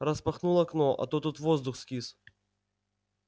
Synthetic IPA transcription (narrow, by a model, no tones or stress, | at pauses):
ɾəspɐxnulˠɐknoʔɐ̰t̪ot̪ːut̪vozd̪ʊxskʲis